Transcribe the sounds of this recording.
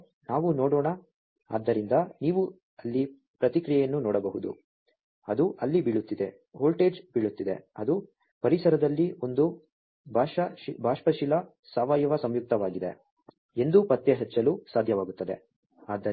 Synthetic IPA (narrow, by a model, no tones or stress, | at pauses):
naːʋunɔːɽɔːɳɐ | a̰ːd̪ːɐɾind̪ɐniːʋu | ɐlːi | pɾɐt̪ikɾijɛjɐnːunɔːɽɐbɐɦud̪ṵ | ɐd̪uʔɐlːibiɭut̪ːid̪e̞ | ɦoːlʈed͡ʒbiɭut̪ːid̪e̞̰ɐd̪u | pɐɾisɐɾɐd̪ɐlːio̞nd̪u | bʱaːʂɐbʱaːʂpɐʃilɐ | saːʋaːjɐʋɐsɐmjuk̚t̪ɐʋaːɡid̪ḛ | e̞nd̪upɐt̪jɐɦɛt͡ʃːɐluːsaːd̪ʱjɐʋaːɡut̪ːɐd̪e̞̰ | aːd̪ːɐ